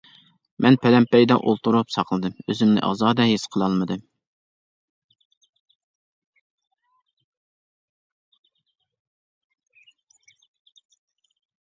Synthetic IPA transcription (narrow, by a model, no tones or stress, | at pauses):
mʔɛnpʰɛlɛmpɛjd̪ɑʔolˠt̪uɾupsɑqʰlˠɨd̪ɨmøzymnɪ̰ʔɑ̰zɑːd̪ɛɦesqʰəlˠɑlˠmɨd̪ɨm